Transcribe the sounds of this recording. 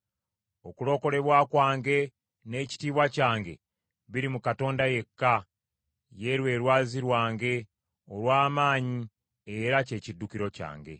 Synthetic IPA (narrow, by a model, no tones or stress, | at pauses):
o̞kulo̞ːko̞ɾe̞βwaːkwaːŋɡe̞ | ne̞ːci̥tiːβwacaːŋɡe̞̰ | βiɾimukato̞ːndaje̞kːa | je̞ɾwe̞ːɾwaːziɾwaːŋɡe̞ | o̞lwaːmaːɲi | eɾace̞ːcidːukiɾo̞ca̰ːŋɡe̞̰